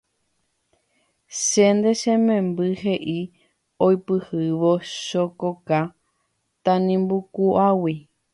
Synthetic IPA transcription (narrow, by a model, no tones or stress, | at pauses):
ʃend̪eʃẽmẽmbɨɦeʔi | ojpɨhɨʋo̞ʃokoka | t̪ãnĩmbukuʔawi